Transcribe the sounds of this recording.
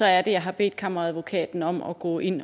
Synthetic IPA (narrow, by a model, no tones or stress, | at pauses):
ɒ̽æɐd̥e̝jɑ̈ɪɦɑ̈b̥e̝̰ːd̥̚kʰɑ̈mɐʁɑ̈æðˠʋo̝kʰɛ̰ːd̥n̩ɒ̽m̰ɒ̽ɡ̥ɔ̰ːʔe̝n̰